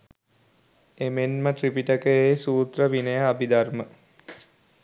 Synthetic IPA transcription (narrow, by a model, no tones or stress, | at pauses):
emenməʈripiʈəkəesuːt̪ɾəʋinəjəabid̪armə